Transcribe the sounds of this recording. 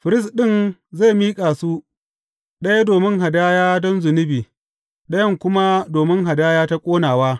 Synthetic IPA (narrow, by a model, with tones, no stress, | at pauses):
ɸɪ˨ɾɪ˦sɗɪ˦˨nza˦˨miː˦kʼaː˨su˦ | ɗɐ˦ja˦doː˨mɪ˦ŋɦa˨daː˦jaː˦dɔ˦nzʊ˨nɪ˦biː˨ | ɗɐ˦jɐ˦ŋkʷʊ˦ma˦doː˨mɪ˦ŋɦa˨daː˦jaː˦ta˦kʷʼoː˦naː˨waː˦